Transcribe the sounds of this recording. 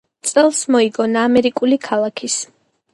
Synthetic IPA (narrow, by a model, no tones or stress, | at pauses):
t̪sʼɛlˠsmɔiɡɔnaːmɛɾikʼulikʰalˠakʰis